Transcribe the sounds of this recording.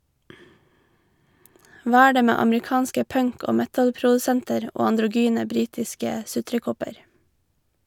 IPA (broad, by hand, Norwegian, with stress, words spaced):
ˈʋɑː ˈæː ˈɖeː ˈmeː ɑmɹɪˈkɑːnskə ˈpœŋk ˈoː ˈmɛtəlpɾʊdʉˌsɛntəɾ ˈoː ɑndɾʊˈɡyːnə ˈbɾiːtɪskə ˈsʉtɾəˌkɔpəɾ